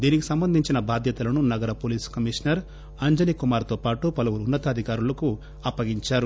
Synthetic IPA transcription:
d̪iːnikisɐmbɐnd̪ʱiɲt͡ʃinɐbaːd̪jɐt̪ɐlɐnunɐɡɐɾɐpoːliːskɐmiʂɐnɐɾ | ɐɲd͡ʒɐnikumaːɾt̪oːpaːʈupɐluwuɾunːɐt̪ɐːd̪ʱikaːɾulɐku | ɐpːɐɡiɲt͡ʃaːɾu

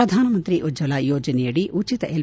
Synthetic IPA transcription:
ɐd̪ʱaːnɐmɐnt̪ɾiʔud͡ʒɐlaːjoːd͡ʒɐnɛjɐɽiʔʔut͡ʃit̪ɐʔel

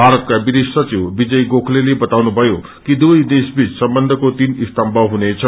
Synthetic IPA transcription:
bʱaɾʌt̪̚kabid̪issʌt͡siwbid͡zʌjɡokʰlelebʌt̪awnubʱʌjo | kid̪ujd̪esbit͡ssʌmbʌnd̪ʱʌkot̪inist̪ʌmbʱʌɦunet͡sʰʌ

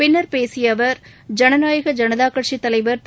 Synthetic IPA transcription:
pɪnːɐɾpeːsɪjɐʋɐɾ | d͡ʒɐnɐnaːjɯɣɐd͡ʒɐnɐðaːkɐʈʂit̪ːɐlɐɪʋɐɾt̪

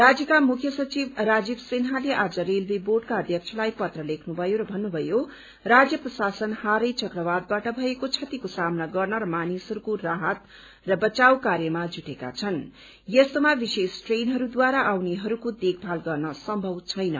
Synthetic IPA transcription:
rad͡zjʌkamukʰjʌsʌt͡sibrad͡zibsenɦaleʔad͡zʌɾelbiboɖkaʌd̪ʱjʌk̚t͡sʰʌlajpʌt̪rʌlekʰnubʱʌjoɾʌbʱʌnːubʱʌjo | rad͡zjʌprʌsasʌnhaɾʌjt͡sʌkrʌβad̪̚baʈʌbʱʌekot͡sʰʌt̪ikosamnaɡʌrnʌɾʌmanisʌɾukoraɦʌt̪ | rʌbʌt͡sawkaɾjʌmad͡zuʈeka̰t͡sʰʌn | jʌst̪omabisesʈrenɦʌɾud̪waɾaʔawneɦʌɾukod̪ekʰpʰalɡʌrnʌsʌmbʱʌwt͡sʰʌjnʌ̰

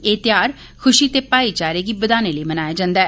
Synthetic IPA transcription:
eːt̪ɪjaːɾ | kʰʊʃiːt̪eːpaːiːt͡ʃaːɾeːɡiːbəd̪aːneləiːmənaːjaːd͡ʒãːnd̪ɛː

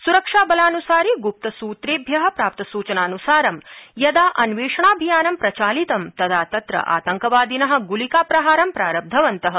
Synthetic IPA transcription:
suɾɐkʂaːbɐlaːnusaːɾiɡup̚t̪ɐsuːt̪ɾeːbʱjɐɦɐ̆pɾaːp̚t̪ɐsuːt͡ʃɐnaːnusaːɾɐmjɐd̪aːʔɐnʋeːʂɐɳaːbʱijaːnɐmpɾɐt͡ʃaːlit̪ɐmt̪ɐt̪ʰaːt̪ɐt̪ɾɐ̰ʔa̰ːt̪ɐŋkɐʋaːd̪inɐɦɐ̆ɡulikaːpɾɐɦaːɾɐmpɾa̰ːɾɐb̚d̪ʱɐʋɐnt̪ɐɦɐ

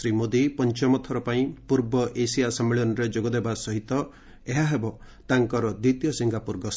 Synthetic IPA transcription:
ɾimod̪ipɔnt͡ʃɔmɔt̪ʰɔɾɔpaĩpuɾbɔʔesijasɔmːeɭɔnɔɾed͡ʒoɡɔd̪ebasɔɦit̪ɔ | eɦaɦebɔ | t̪aŋkɔɾɔd̪it̪ijɔsiŋɡapuɾɡɔs

